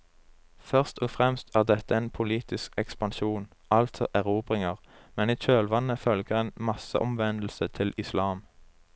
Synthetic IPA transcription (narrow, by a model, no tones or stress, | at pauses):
fœʁst̪ɔːfʁɛmst̪ʰæːʁd̪ɛt̪əeːnpʰʊliːt̪ɪskɛkspɑnʃuːn | ɑlt̪sɔ̰ʔæʁuːbʁɪŋəʁmɛniːc͡çøːlʋɑnːəfœlɡəʁeːnmɑsə̰ʔɔmʋɛnd̪l̩sət̪ʰɪlɪslɑːm